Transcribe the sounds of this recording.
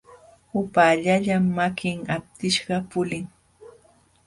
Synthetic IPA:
ʊpaːʎaʎamːakɪŋap̚t̪ɪʃɢɑpʊlɪŋ

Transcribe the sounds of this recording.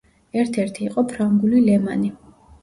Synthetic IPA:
ɛɾt̪ʰɛɾt̪ʰiːqʼɔpʰɾaŋɡulilɛma̰ni

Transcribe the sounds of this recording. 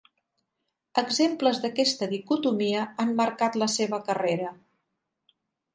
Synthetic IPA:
əɡzempləzðəkɛst̪əðikut̪umiəanməɾkat̪ləseβəkəreɾə

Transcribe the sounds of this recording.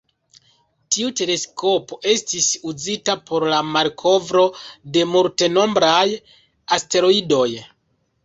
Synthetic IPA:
tiute̞le̞sko̞po̞ʔe̞stisuzitapo̞ɾlamaɾkʰo̞vɾo̞de̞multe̞no̞mbɾaj | aste̞ɾo̞ido̞j

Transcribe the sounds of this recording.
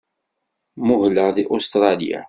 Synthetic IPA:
mʊhləʁðiʔost̪ɾˤɑlija̰

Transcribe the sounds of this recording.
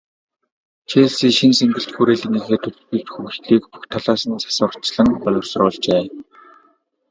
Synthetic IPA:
t͡ɕʰeːɮsiːʃinseŋɡɘ̆ɬt͡ɕ̪ɡuːɾeːɮɘ̆ŋiːxeːt̪ʰɵ | ɘ̆kt͡ɕxuxɮiːkpu̥xt̪ʰaɮaːsə̆nsḁsʊːr̥t͡ɕɮə̆ŋpɔɮʲʊ̆rsrʊːɮt͡ɕeː

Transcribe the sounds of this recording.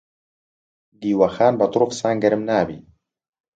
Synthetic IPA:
d̪iːwɐxaːnbɐt̪ɾoːfsaːnɡɛɾɨmnaːbḭː

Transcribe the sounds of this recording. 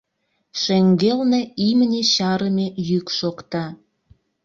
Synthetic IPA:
ʃeŋɡelneimənʲeɕɑɾəmejykʃokt̪ɑ

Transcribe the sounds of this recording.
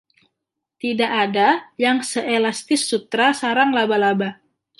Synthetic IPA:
t̪idaʔadajaŋsəʔelast̪ɪsːut̪ɾasaɾaŋlabalaba

